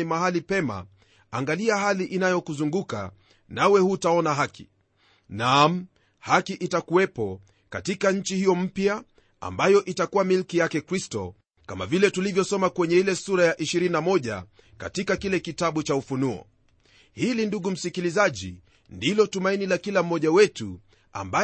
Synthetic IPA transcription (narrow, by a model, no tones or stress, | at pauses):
imaɦalipɛma̰ | aŋɡaliaɦaliʔinajɔkuzuŋɡuka̰ | nawɛhutaɔnaɦaki̥ | nam̩ | hakiʔitakuwɛpɔ | ka̰tikaɲ̩t͡ʃihijɔm̩pja | a̰mbajɔʔitakuwamilkijakɛkɾistɔ̰ | kama̰vilɛtulivjɔsɔmakwɛɲɛilɛsuɾajaʔiʃiɾininamɔʄa̰ | ka̰tikakilɛkitaɓut͡ʃaufunuɔ̰ | hilinduɠum̩sikilizaʄḭ | ndilɔtumainilakilam̩mːɔʄawɛtu | a̰mba